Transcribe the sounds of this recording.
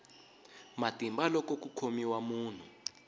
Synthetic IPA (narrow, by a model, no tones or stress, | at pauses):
matimbalɔkɔk̬ukʰomiwamuːn̤u